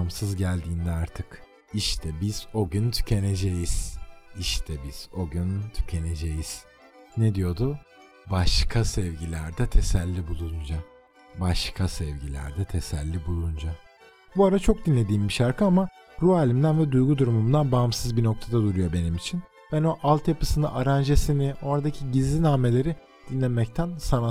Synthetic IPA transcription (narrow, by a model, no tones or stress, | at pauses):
msɯzɟælʲd̪iːnd̪ɛaɾt̪ʰɯk | iʃt̪ʰɛbiz̥o̞ɟʲynt̪ʰy̥cʰe̞ne̞d͡ʒejiz̥iʃt̪ʰɛbiz̥o̞ɟynt̪ʰy̥cʰe̞ne̞d͡ʒejiz̥ | ned̪ijo̞d̪ʊ | baʃkʰasɛvɟilʲæɾd̪ɛt̪ʰe̞sælʲːibulˠund͡ʒa | baʃkʰasɛvɟilʲæ̰ɾd̪ɛt̪ʰe̞sælʲːibulˠund͡ʒa | buaɾat͡ʃʰo̞k̚d̪inlːʲe̞d̪iːmbiʃaɾkʰɯama | ɾuaːlʲimd̪ænvɛd̪ujɡud̪uɾumumd̪anbamsɯzbino̞k̚t̪ʰad̪ad̪uɾujo̞be̞nimit͡ʃʰin | bæno̞ʔalˠt̪japɯ̥sɯnɯʔaɾand͡ʒesinɪʔo̞ɾad̪acʰiɟizlʲinaːme̞lʲe̞ɾi | d̪̥inlʲemɛc̚t̪ʰænsana